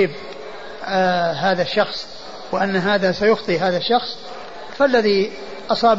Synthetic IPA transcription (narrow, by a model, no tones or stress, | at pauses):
ɪb | ɦaːðaʃːɑxsˤ | wɪʔanːɦaːðasajʊxt̪ˤiɦaːðaʃːɑxsˤ | falːaði | ʔɑsˤɑːb